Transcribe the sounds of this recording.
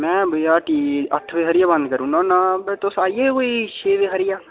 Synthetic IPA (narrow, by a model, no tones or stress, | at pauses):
mɛ̃ːbəjaːʈiːət̪ʰʋeːɦəɾɪjaːbə̃nd̪kəɾũːnɔ̃ːnabet̪osaːijeːoiʃeːʋeːɦəɾɪjaː